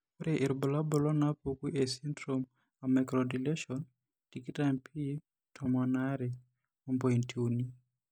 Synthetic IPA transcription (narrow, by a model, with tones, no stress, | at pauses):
kɔɾeʔi˨ɾbɔ˨la˦bo˨lɔ˦na˦poki˦ʔe˨si˦ndɾom | amɛkɾɔdile˦ʃɔn | tiki˦ta˦mpʰi˦ | tʰɔmɔ˨na˦ɾe˨ | ɔ˦mpɔ˨i˨ntʰiu˨ni˦